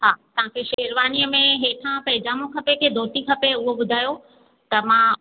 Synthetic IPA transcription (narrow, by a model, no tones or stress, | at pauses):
ɦaːt̪ɐʋ̤ãkʰeʃeːɾʋaːniəmẽɦeːʈʰãpɐɦɪd͡ʑaːmõkʰɐpekʰeːd̪ʱoːt̪ikʰɐpeʊɦobʊd̪ʱaːjo | t̪ɐmã